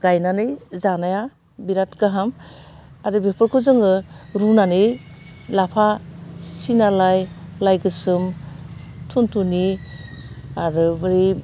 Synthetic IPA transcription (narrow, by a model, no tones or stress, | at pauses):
ɡ̥ajnanɯjzanaja | biɾatɡaɦam | aɾɯbepʰɔɾkʰɯzɯŋɯɾunanɯjlapʰasinalajlajɡɯsɯm | tʰuntʰuni | aɾɯbɯɾi